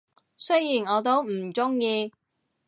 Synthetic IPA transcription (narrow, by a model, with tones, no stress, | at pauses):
sɵ˥jiː˨˩nɔː˨˧t̪o˥wm̩˨˩t͡sʊ˥ŋjiː˧